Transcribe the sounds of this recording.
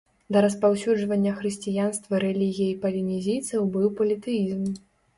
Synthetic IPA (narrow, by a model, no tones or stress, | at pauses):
d̪ɐɾɐspawsʲud͡ʐvɐnʲːɐxɾɨsʲt͡sʲijanst̪vɐɾɛlʲiɣʲijɐipɐlʲinʲizʲijt̪sɐwbɨwpɐlʲit̪ɨjizm